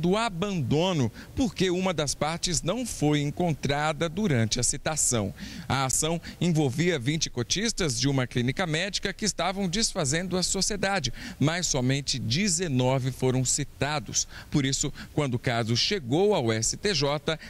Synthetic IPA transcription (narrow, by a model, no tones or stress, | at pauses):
d̪ʊabɐ̃nd̪õnʊpoɾkeũmɐd̪ɐspaɾt͡ʃɪznɐ̃w̃fojẽŋkõnt̪ɾad̪ɐd̪uɾɐ̃nt͡ʃɪɐsit̪asɐ̰̃w̃ɐasɐ̃w̃ẽvowviɐvĩt͡ʃɪ̥kot͡ʃist̪ɐzd͡ʒɪũmɐklinikɐmɛd͡ʒikɐkɪːst̪avɐ̃w̃d͡ʒɪsfazẽnd̪ʊɐsosied̪ad͡ʒɪmajsːɔmẽnt͡ʃɪd͡ʒizenɔvɪfoɾɐ̃w̃sit̪ad̪ʊ̰spoɾisʊkwɐ̃nd̪ʊkazʊʃeɡowawɛsɪt̪eʒɔt̪ɐ